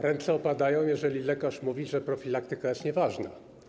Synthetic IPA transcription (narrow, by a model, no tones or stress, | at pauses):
ɾɛnt̪sɛɔpad̪ajɔ̃w̃jɛʐɛlʲilɛkaʂmuvʲiʐɛpɾɔfʲilak̚t̪ɘkajɛst̪ɲɛvaʐna̰